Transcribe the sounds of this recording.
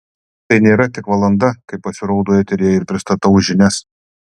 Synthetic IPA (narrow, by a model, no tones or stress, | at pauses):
t̪ɐɪnʲeːɾɐt̪ʲɪkʋɐlˠɐnd̪ɐkɐɪpːɐsʲɪɾoʊd̪oːjɛt̪ʲɪɾʲeːjɛɪɾpʲɾʲɪst̪ɐt̪ɐʊʒʲɪnʲɛs